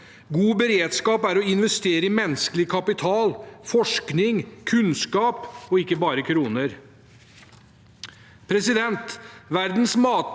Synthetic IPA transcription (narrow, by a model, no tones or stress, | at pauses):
ɡuːbəɾeːd̪skɑːpæɾɔɪnʋɛst̪eːɾəɪmɛnskəlɪkʰɑpɪt̪ʰɑːlfɔʂknɪŋkʰʉnskɑːpɔɪkːəbɑːɾəkʰɾuːnəɾ | pʰɾɛsɪd̪ɛnt̪ʋæɾd̪nsmɑːt̪